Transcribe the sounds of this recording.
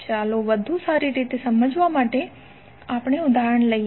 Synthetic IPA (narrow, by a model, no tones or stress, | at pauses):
t͡ʃaloʋəd̪ʱũsaɾiɾit̪esəməd͡ʒʋamaʈe | apɳ̃eud̪ʱaɾəɳləi